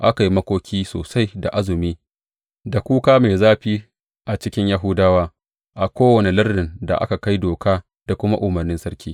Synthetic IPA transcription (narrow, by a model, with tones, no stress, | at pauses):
ʔa˦ka˨ji˦mɐ˦kʷoː˦kʲʰiː˦so̰ː˨sa˦jda̰˨ʔa˦zʊ˨miː˦ | da˨kʷuː˦kaː˦meː˨zaː˦ɸiː˦ | ʔa˨t͡ʃɪ˦kʲɪ˦ɲja˦ɦʊ˦daː˦waː˦ | ʔa˨kʷoː˦wɐ˨ne˨lɐ˦rːɪ˨nda̰˨ʔa̰˦ka˨ka˦jdoː˨kaː˦ | d̥a˨kʷʊ˦ma˦ʔʊ˨mɐ˨rnɪ˦nsɐ˦rkʲʰiː˦